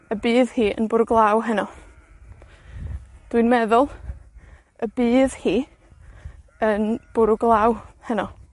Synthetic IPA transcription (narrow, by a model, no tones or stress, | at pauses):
əbɨːðhiːə̰nbʊɾʊɡlˠawɦɛnɔ | d̥wɨjnmɛðʊlˠ | əbiːðhiː | ənb̥ʊɾʊɡlˠaːwhɛnɔ